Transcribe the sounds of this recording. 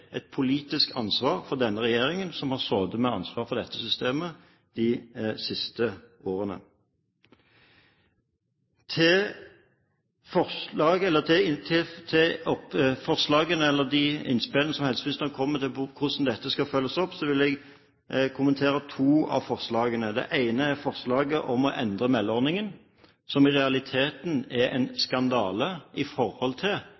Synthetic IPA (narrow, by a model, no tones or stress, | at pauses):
ʔɛt̪̚pʰʊliːt̪ɪskɑ̰nsʋɑːɾfɔʁd̪ɛnːəɾɛjeːɾɪŋənsɔmhɑʁsoːd̪əmɛɑ̰nsʋɑːɾfɔʁd̪ɛt̪ːəsʏst̪eːmə | d̪̥ɪsɪst̪əoːɾənə̰ | t̪ʰɪ | fɔlɑːɡɛlːət̪ʰɪt̪ʰɪt̪ʰɪɔpfɔʁslɑːɡənəɛlːəd̪ɪɪ̰nspɪlənəsɔmhɛlsʋɪnst̪əkʰɔmːət̪ʰɪlpʊkʰʊsmn̩d̪ɛt̪ːəskɑfœlːəsɔpːsɔʋɪlɛɡ | kʰʊmənt̪ʰeːɾət̪ʰuːɑ̰ʋfɔʁslɑːɡənəd̪ɛ̰ʔæɪnəæɾfɔʁslɑːɡəʔɔmɔʔɛnd̪ʁəmɛlːɔʁnɪŋən | sɔmɪʁɛɑlɪt̪ʰeːt̪nɛɛ̰ɪnskɑnd̪ɑːləɪfɔʁhɔlt̪ʰɪl